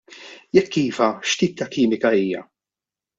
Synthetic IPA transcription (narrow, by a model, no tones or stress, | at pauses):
jɛkːiːvɐʃt̪iːp̚t̪ːɐkiːmɪkɐiːjɐ̰